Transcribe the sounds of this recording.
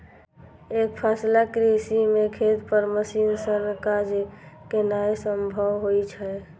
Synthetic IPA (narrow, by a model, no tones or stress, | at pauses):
ek̚pʰaslakɾisimekʰet̪pəɾməsinsəɾnkad͡ʒkenajesəmbʱəʋɦojt͡ʃʰə